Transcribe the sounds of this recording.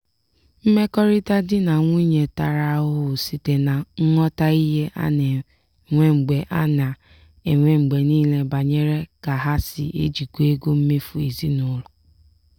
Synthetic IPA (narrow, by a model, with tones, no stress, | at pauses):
m̩˦me˦kɔ˦ɾɪ˦ta˦dɪ˦na˨ŋʷi˦ɲe˨ta˨ɾa˨ʊ˦ɦʊ˨si˨te˨na˨ŋ̩˦ŋɔ˦ta˦i˦ɦe˦ʔa̰˦ne˨ | ŋʷe˦ŋ͡m̩˨ɡ͡be˨ʔa˦na˨ | e˨ŋʷe˦ŋ͡m̩˨ɡ͡be˨niː˦le˦ba˨ɲe˦ɾe˦ka˨ɦa˦sɪ̰˨ʔḛ˦d͡ʒi˨kʷu˦e˦ɡo˦m̩˦me˦fu˨e˨zi˦nʊ˦lʊ˨